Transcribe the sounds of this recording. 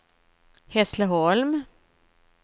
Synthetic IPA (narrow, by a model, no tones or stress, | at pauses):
hɛsləɦɔlm